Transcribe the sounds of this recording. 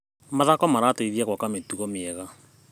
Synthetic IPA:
maðakɔmaɾateiðiakwakametuɣɔmjɛɣa

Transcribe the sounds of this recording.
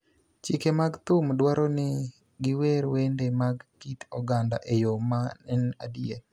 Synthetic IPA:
t͡ʃikemaɡt̪ʊmdwaɾɔnɪ | ɡɪweɾwendemaɡkit̪ɔɡanda̰ʔejomaɛna̰die

